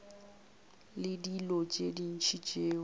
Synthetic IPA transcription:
lɪdilɔt͡ʃʼedin̩t͡ʃʰit͡ʃʼeː

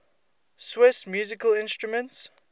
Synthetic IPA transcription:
swɪsmjuːzɪkəlɪ̃nstɹumə̃nts

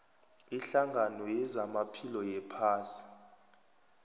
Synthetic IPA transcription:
iɬaŋɡʱanɔjɛzamapʰilɔjɛpʰaːsi̥

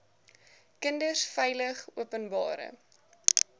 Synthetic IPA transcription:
kəndərsfɛjləχuəpənbɑ̰ːɾə̰

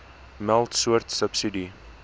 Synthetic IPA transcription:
mɛlˠtsuərt̪səpsidi

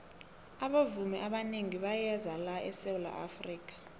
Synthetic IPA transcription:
aɓavumɛʔaɓaneŋiɓajɛzalaɛsewula̰ʔa̰friːk̬ʼḁ

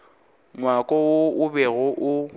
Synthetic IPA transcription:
ŋwakʼɔʊʊbɛɣʊʔʊ

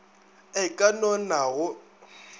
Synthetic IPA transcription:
ɪkʼanɔnaɣʊ

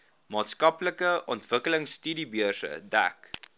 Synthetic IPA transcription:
mɑːtskɐpləkəʔɔntvəkələŋsːtydibyərsə̰dæ̰k

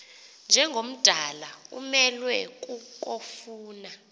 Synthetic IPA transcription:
nd͡ʒʱɛŋɡʱom̩d̥ʱalaṵmɛlwɛk̬ʼuk̬ʼofuːna

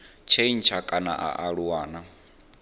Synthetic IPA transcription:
t͡ʃʰein̩t͡ʃʰakʼana̰ʔa̰ʔaɺuwaːna

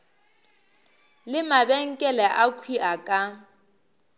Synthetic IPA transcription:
lɪmabɛŋ̩kʼɛlɛʔakʰwiʔakʼa

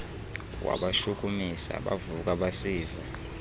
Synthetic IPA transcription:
wa̰ɓaʃukʼumisa̰ɓavuk̬ʼaɓasiːva

